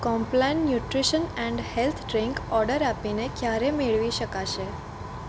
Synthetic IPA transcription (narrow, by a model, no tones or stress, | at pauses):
kɔ̃mplannjuʈɾiʃənɛ̃ɳɖhelt̪ʰɖɾiŋkɔɾɖəɾapinekjaɾemeɭʋiʃəkaʃe